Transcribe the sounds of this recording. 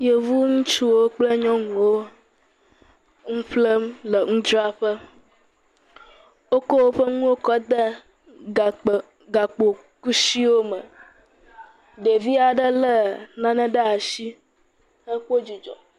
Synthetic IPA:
je˨vu˦ŋũ˦t͡ʃu˦wo˦k͡plə˦ɲɔ̃˦ŋũ˨wo˦ | ŋũ˦ɸlə˦mlə˨ŋũ˦d͡ʒɾa˦ɸə˦ | wo˦ko˦wo˦ɸə˦ŋũ˦wo˦kɔ˦d̪ə˦˨ | ɡa˨k͡po˨ | ku˦si˦wo˦mə̃˨ | ɖe˨vi˦a˨ɖə˦lə˦nã˦nɛ̃˦ɖə˦a˨ʃi˦ | ə˦ɸo˦d͡ʒi˨d͡ʒɔ̰˨

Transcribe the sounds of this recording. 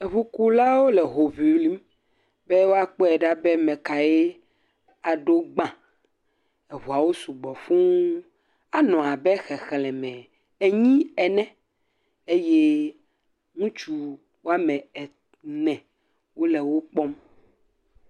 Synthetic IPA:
e˨βu˦ku˦la˦wo˦lɛ˨ɦo˨vi˨wli˦m | be˦wo˦a˦k͡pɔ˦ɛ˨ɖa˦bɛ˦mɛ̃˨ka˨je˦ | a˨ɖo˦ɡ͡bã˨ | e˨βu˨a˨wo˦su˨ɡ͡bɔ˨fũ˦ | a˨nɔ̃˨a˨bɛ˦xɛ˨xɛ˨lɛ̃˨mɛ̃˨ | e˨ɲĩ˦ɛ˨nɛ̃˦ | e˦je˦ | ŋũ˦t͡ʃu˨ | wo˦a˦mɛ̃˨ɛ˨ | nɛ̃˨ | wo˦lɛ˨wo˦k͡pɔ˦m

